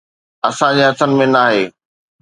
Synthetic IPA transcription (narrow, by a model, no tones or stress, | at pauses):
ɐsãd͡ʑeɦɐt̪ʰənɪ̆mẽnaːɦeː